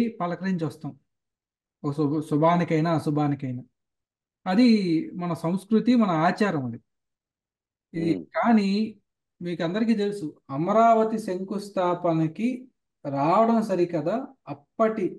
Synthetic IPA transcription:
pɐlɐkɾɐiɲt͡ʃʋɐst̪aːm | ɔkɐssubʱaːnikɐjnaːsubʱaːnikɐjnaː | ɐd̪imɐnɐsɐ̃w̃skɾut̪imɐnɐaːt͡ʃaːɾjɐmuɳd̪i | id̪ikaːni | miːkɐnd̪ɐɾik̬iːt̪elusuɐmɐɾaːʋɐt̪iseŋkust̪ʰaːpɐniki | ɾaːʋɐɽɐmsɐɾikɐd̪aːɐpːɐʈi

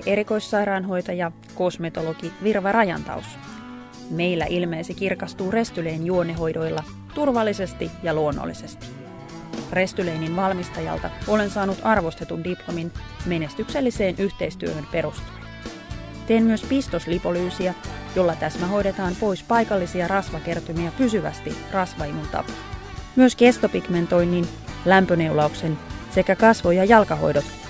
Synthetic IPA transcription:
ʔe̞ɾiko̞jsːɑjɾɑːnɦo̞jt̪ɑjɑ | ko̞sme̞t̪o̞lo̞ɡ̥iʋirʋɑrɑjɑ̰nt̪ɑ̰ws | me̞jlːæʔilmeːsekirkɑst̪uːre̞st̪yle̞jnjuo̞nːeɦo̞jdo̞jlːɑ | t̪urʋɑlːise̞st̪ijɑluo̞nːo̰lːise̞st̪i̥ | re̞st̪yle̞jninʋɑlmist̪ɑjɑ̰lt̪ɑo̞le̞nsɑːnut̪ɑrʋo̞st̪e̞t̪undiplominme̞ne̞st̪ykse̞lːise̞ːnʔyht̪e̞jst̪yøhømpe̞ɾust̪ɑ̥ | t̪e̞ːnmyøspist̪oslipo̞lyːsiæjo̞lːɑt̪æsmæɦo̞jɾe̞t̪ɑːmpo̞jspɑjkɑlːisiɑrɑsʋɑke̞rt̪umiɑpysyʋæ̰st̪irɑsʋɑimunt̪ɑ̰po̥ | myøske̞st̪opikme̞nt̪o̞jnːin | læmpøne̞ulɑukse̞nse̞kækɑsʋo̞jɑjɑlkɑɦo̞̰jdo̞t̪

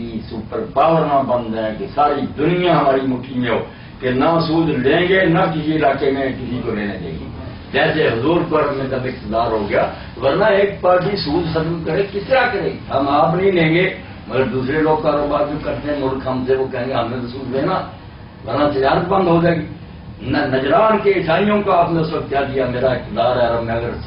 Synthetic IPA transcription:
iːsupəɾpaːʋəɾnãːbə̃nd̪ɛ̃ːkesaːɾiːd̪ʊnɪjãːɦəmaːɾiːmʊkiːoː | kenaːsuːd͡ʒ̪lẽːŋɡeːnakɪsiɪlaːkeːmẽːkɪsikoleːnḛːd͡ʒ̪ḛːɡḭː | d͡ʒɛːseːɦʊzuːɾkəɾmẽːk̪əbɪk̚t̪əd̪aːɾɦoːɡɪja̰ː | ʋəɾnãːeːk̚paːɾʈ̬iːsuːd͡ʒ̪sət̪əmkəɾeːkɪsɾaːkəɾeːɦəmapnəĩlẽːŋɡeː | məɡəɾd̪uːsɾeloːɡ̚kaːɾoːbaːɾd͡ʒokəɾt̪eɦɛ̃mʊlkɦɐmseʋokɛɦẽːŋɡeɦɐmnẽt̪osuːd̪ʱleːnaː | ʋəɾnat̪ɪd͡ʒaːɾət̪bə̃nd̪ɦod͡ʒaːeɡiː | nnəd͡ʒɾaːnkeɪsaːnijõkaaːpnẽʊsʋək̚t̪jaːd̪ɪjameːɾaɪkt̪ɪd̪aːɾɦɛːɾəmẽɐɡəɾ

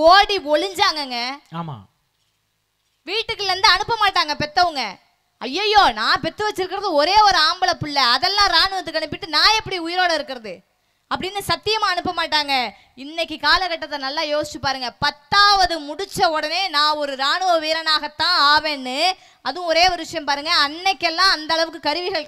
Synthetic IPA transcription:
oːɽiɔɭɪɲd͡ʒaːŋɡɐŋɡɐaːma̰ː | ʋiːʈːɯkːɯɾɐnd̪ɯɐɳɯpːɐmaːʈːaːŋɡɐpɛt̪ːɐʋɯŋɡɐ | ɐjːɐjoːnãːpɛt̪ːɯʋɐt͡ʃːɪɾɯkːɪɾɐðɯɔɾeːɔɾɯaːmbɐlɐpːɪɭːɐɐðɛlːãːɾaːɳɯʋɐt̪̬ːɯkːɐɳɯp̬ːɪʈːɯnãːɛpːɐɽiʊjɪɾoːɽɐɪɾɯkːɪɾɐðɯ | ɐpːɐɽɪnːɯsɐt̪ːɪjɐmãːɐɳɯpːɐmaːʈːaːŋɡɐ | ɪnːɛkːɯkaːlɐkɐʈːɐt̪ːɐnɐlːaːjoːsɪ̥t͡ʃːɯpːaːɾɯŋɡɐpɐt̪ːaːʋɐðɯmʊɽɪt͡ʃːɐɔɽɐneːnãːɔɾɯɾaːɳɯʋɐʋiːɾɐnaːɣɐt̪ːãːaːʋeːɳːɯ | ɐðʊ̃ɔɾeːɔɾɯʋɪʂɐjɐ̃mpaːɾɯŋɡɐɐnːɛkːɛlːãːɐnd̪ɐɭɐʋɯkːɯkɐɾɯʋɪɣɐɭ

